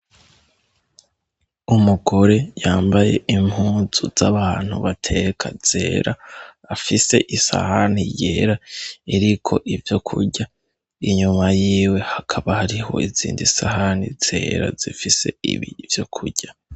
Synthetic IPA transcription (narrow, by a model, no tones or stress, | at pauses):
umuɡo̞ɾe̞jaːmbaje̞̰ʔimhuːzuzaβaːn̥hṵβatʰe̞kʰaz̥e̞̰ːɾʔaː | fise̞ʔisa̰haniɟe̞ɾaiɾikʰo̞ʔivjo̞kʰṵɟa | iɲumajiːwe̞hakʰaβahaɾiho̞̰izḭːndisahaniz̥e̞̰ːɾa̰zifise̞̰ḭβḭvjo̞kʰuɟ̥a